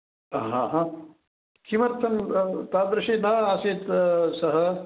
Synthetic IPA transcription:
ɦãːɦãː | kʰimɐɾt̪ʰɐnt̪aːd̪ɾɐʃiːnaːaːseːt̪sɐɦɐ̆

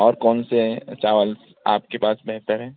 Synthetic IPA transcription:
ɔːɾkɔːnset͡ʃaːʋəls | aːp̚kepaːsbɛɦt̪əɾɦɛː

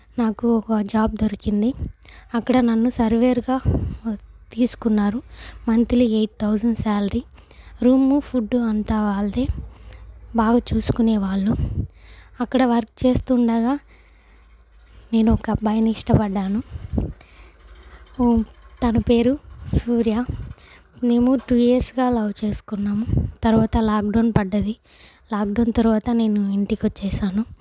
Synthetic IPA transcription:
naːkuɔkɐd͡ʒaːb̚d̪oɾikind̪iɐkːɐɽɐnɐnːusɐɾʋeːɾɡaː | t̪iːsu̥kunːaːɾumɐnt̪ilieːʈ̚t̪ʰɐwd͡ʒɐɳɖsaːlɐɾi | ɾuːmupʰuɖːuɐnt̪aːʋaːɭd̪eː | baːɡaːt͡ʃuːsu̥kuneːʋaːɭːu | ɐkːɐɽɐʋɐɾkt͡ʃe̞ːst̪uːɳɖɐɡaː | ne̞ːnuɔkɐbɐjɐniʂʈɐpɐɖːaːnu | t̪ɐnɐpe̞ːɾusuːɾjaː | ne̞ːmuʈujeːɾsɡaːlɐwt͡ʃe̞ːsu̥kunːaːmut̪ɐɾuʋaːt̪ɐlaːk̚ɖɐnpɐɖːɐd̪i | laːk̚ɖɐːnt̪ɐɾuʋaːt̪ɐne̞ːnuiɳʈikot͡ʃːɛːʃaːnu

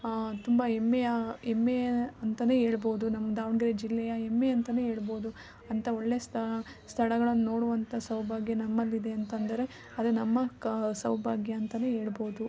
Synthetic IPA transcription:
t̪umbɐemːejɐemːeɐnt̪ɐneːɦe̞ːɭboːud̪unɐmːɐd̪aːʋɳɡɐɾed͡ʒilːɛjɐemːeɐnt̪ɐne̞ːɦe̞ːɭbo̞ːd̪u | ɐnt̪ʰɐo̞ɭːe̞ːst̪ʰɐ | st̪ʰɐɭɐɡɐɭɐnːuno̞ːɽuʋɐnt̪ʰɐsɐwbʱaːɡjɐnɐmːɐlːid̪e̞ɐnt̪ɐnd̪ɐɾe̞ | ɐd̪enɐmːɐsɐwbʱaːɡjɐːnt̪ɐne̞ːɦeːɭboːd̪u

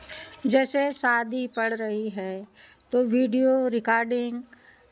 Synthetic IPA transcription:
d͡ʒɛːseʃaːd̪ʱipɐɽɾɐɦiɦɛː | t̪oːʋiːɖijoɾɪkaːɾɖɪ̃ŋɡ

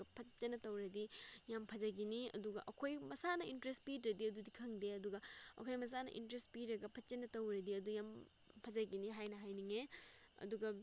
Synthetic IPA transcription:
ɐpʰɐt͡ʃɐnɐtɐwɾɐdijampʰɐzɐɡiniɐ̰duɡɐ̰ʔɐkʰojmɐsanɐintɾestpidɾɐdiɐdudikʰɐŋdeɐduɡɐɐ̰kʰojmɐs̬anɐ̰ʔḭntɾespiɾɐɡɐpʰɐt͡ʃɐnɐtɐwɾɐdiɐdujam | pʰɐzɐɡiniɦajnɐɦajniŋe | ɐ̰duɡɐ

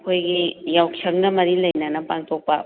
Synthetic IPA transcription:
kʰojɡijawkʰjɐŋnɐmɐɾilɐjnanɐpaŋtɔpa

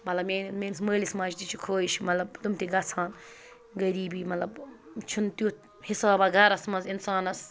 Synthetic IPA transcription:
mɐt̪lɐbmeːnmeːnsməːlismɐːt͡ʃt̪it͡ʃʰukʰoːiʃmɐt̪lɐbt̪umt̪iɡɐt͡sʰaːn | ɡɐɾiːbiːmɐt̪lɐbt͡ʃʰunt̪ju | hisaːbɐɡɐɾɐsmɐzinsaːnɐs

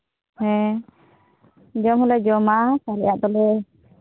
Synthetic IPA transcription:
hɛ̃ | d͡ʒɔmhɔlɛd͡ʒɔmasaɾɛjaʔd̪ɔlɛ

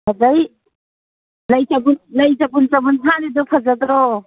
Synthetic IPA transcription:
adaj | lajt͡ʃabunlajzabunt͡ʃabuntʰanidɔpʰazadɾɔ

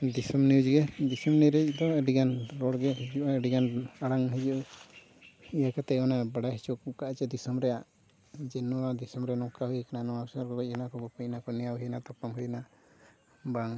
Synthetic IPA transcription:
d̪isɔmniwd͡ʒɡɛd̪isɔmniɾɛt͡ʃd̪ɔɛɖiɡanɾɔɽɡɛɦid͡ʒuʔaəɖiɡanaɽaŋɦid͡ʒuʔ | ijakat̪ɛɔnabaɽaɦit͡ʃuk̚kaʔt͡ʃɛd̪isɔmɾɛjaʔ | d͡ʒɛnɔwad̪isɔmɾɛnɔkaɦujkananɔasaɾkɔbacinakɔbɔpəcnakɔnɛjawɦijnat̪ɔpɔmɦujna | baŋ

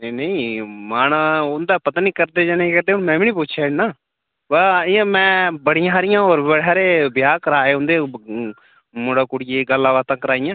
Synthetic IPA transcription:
nəĩːmaːnʊnd̪aːpət̪aːniːkəɾd̪eːd͡ʒaːneːkəɾd̪eːʊ̃nmɛ̃ːʋiːniːpʊʃʰjaːnaː | ʋaːijãːmɛ̃ːbəɽɪjãːɾɪjãːoːɾbəɽɛːɾeːbɪjaːkəɾaːeːʊnd̪eː | mʊɽaːkʊɽɪeːɡəlːãːʋaːt̪ãːkəɾaːɪjãː

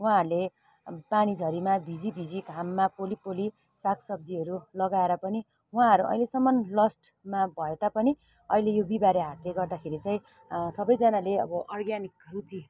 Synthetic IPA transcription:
wãɦʌɾule | panid͡zʱʌɾimabʱid͡zibʱid͡ziɡʱamːapolipoli | saksʌb̚d͡ziɦʌɾulʌɡaeɾʌpʌni | wɦãɦʌɾuʔʌ̰ilesʌmːʌnlʌsʈmabʱʌed̪apʌni | ʌ̰ilejobibaɾjeɦat̪leɡʌrd̪akʰeɾit͡sʌĩ | sʌbʌjd͡zanaleʌ̰bʌʔʌrɡjanikʌɾut͡si

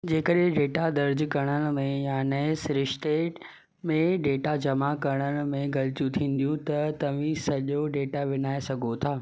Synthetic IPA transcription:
d͡ʑeːkəɗɪ̃ɖeːʈad̪ɐɾd͡ʑkɐɽ̃ənɪ̆mẽjaːneɪsɾɪʃt̪eːʈ | mẽɖeːʈad͡ʑɐmakɐɾɽ̃ənɪ̆mẽɡɐlɪt͡ɕjũt̪ʰĩːnd̪ijũt̪ɐt̪ɐʋ̤ĩsɐʄoɖeːʈaʋɪnaːesɐɡʱot̪ʰaː

